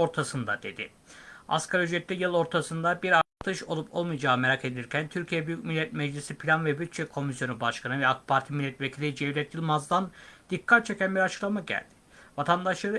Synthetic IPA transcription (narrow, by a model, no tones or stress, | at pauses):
o̞ɾt̪ʰasɯnd̪ad̪̥e̞d̪ɪ | a̰skʰaɾyd͡ʒɾɛt̪ːɛjɯlˠo̞ɾt̪ʰasɯnd̪abiɾat̪ʰɯʃo̞̰lˠupʰo̞lˠmɯjd͡ʒaːme̞ɾakʰe̞d̪iɾcʰænt̪ʰyɾcʰijɛbyjycʲmilʲːɛt̪mɛd͡ʒlʲisipʰilʲanvɛbyt̪̚t͡ʃʰɛkʰo̞misjo̞nubaʃkʰanɯvɛakpʰaɾt̪ʰimilʲːɛt̪vecʰilʲid͡ʒɛvlʲɛt̪̚jɯlˠmazd̪and̪̥ikʰːat̪̚t͡ʃʰe̞cʲænbiɾat͡ʃʰɯ̥klˠamaɟæ̰lʲd̪̥ɪ̥ | vat̪ʰand̪aʃlˠaɾɯ